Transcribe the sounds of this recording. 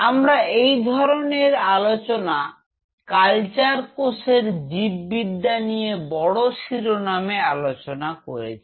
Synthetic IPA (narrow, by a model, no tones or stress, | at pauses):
amɾaejd̪ʱɔɾoneɾalot͡ɕona | kalt͡ɕaɾkoʃeɾd͡ʑibːid̪ːanijebɔɽoʃiɾonamealot͡ɕonakoɾḛt͡ɕʰi̥